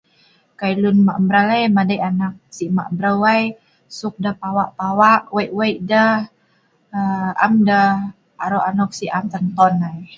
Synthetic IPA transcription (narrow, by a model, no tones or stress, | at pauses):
kajlunmaʔmbɾalajmadajʔanak̚siʔma̰ʔmbɾəwaj | suk̚dapawaʔpawaʔwajʔwajʔdəh | a̰mdəh | aɾɔʔanɔk̚siʔamt̪ənt̪ɔnaj